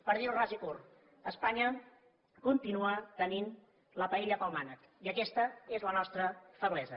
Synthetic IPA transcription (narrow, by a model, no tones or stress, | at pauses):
pəɾðiwrazikur | əspaɲə | kunt̪inuat̪ənin | ləpəeʎəpalˠmanək | iəkɛst̪əezlənɔst̪ɾəfəβlɛzə